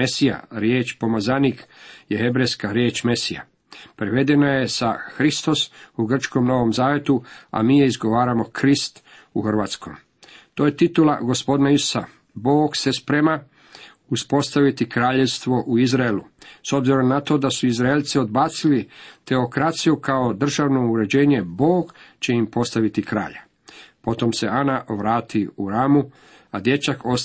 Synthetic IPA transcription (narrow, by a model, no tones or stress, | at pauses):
esija̰ɾjeːt͡ʃpomazanikjehe̞bɾejskaɾje̞ːt͡ʃme̞sija̰ | pɾeʋe̞d̪e̞naje̞sa̰xɾist̪o̞suɡr̩t͡ʃko̞mno̞ʋo̞mzaːʋe̞t̪ua̰miːjeizɡo̞ʋaːɾamo̞kʰɾist̪ | uxrʋaːt̪sko̰m | t̪oːje̞t̪it̪ula̰ɡo̞spo̞d̪naisu̥sa̰ | bo̞ːɡse̞spɾe̞ma | uspo̞st̪aʋit̪ikɾaːʎest̪ʋo̞ʔuizɾaeluso̞bziɾo̞mnat̪o̞d̪asuizɾaelʲt̪sio̞d̪̚baːt̪silit̪e̞okɾat̪sijukao̞d̪r̩ʒaːʋno̞uɾe̞d͡ʑe̞ːɲe̞bo̞ːɡt͡ɕe̞impo̞st̪aʋit̪ikɾa̰ːʎa | po̞t̪o̞mse̞anaʔʋɾaːt̪iuɾaːmu | ad̪je̞t͡ʃakʰo